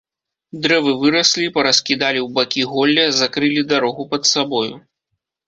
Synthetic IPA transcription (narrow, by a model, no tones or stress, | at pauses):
d̪ɾɛvɨvɨɾɐsʲlʲipɐɾɐskʲid̪alʲiwbakʲiɣɔlʲːɐzakɾɨlʲid̪aɾɔɣupɐt̪sabɔjṵ